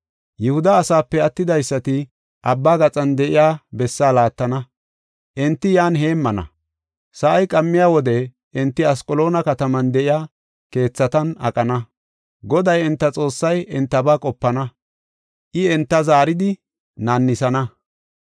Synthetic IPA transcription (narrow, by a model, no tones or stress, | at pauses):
jɛhʊd̪ɐːsaːpːɛɐt̪ːɪd̪ɐjsːɐt̪ɪ | ʔɐbːaːɡɐt͡sʼɐnd̪ɛʔɪjaːbɛsːaːlaːt̪ːɐnɐ | ʔɛnt̪ːɪjaːnɦe̞ːmːɐnɐ̰ | sɐʔɐjkʼɐmːɪjaːwɔd̪ɛ | ɪnt̪ːɪɐskʼɔlo̞ːnɐkɐt̪ɐmɐnd̪ɛʔɪjaː | ke̞ːt͡sːɐt̪ɐnɐ̰kʼɐnɐ | ɡɔd̪ɐjɛnt̪ːɐt͡sʼo̞ːsːɐjɛnt̪ːɐbaːkʼɔpːɐnɐ | ʔɪɛnt̪ːɐzaːɾɪd̪ɪ | nɐnːɪsɐnɐ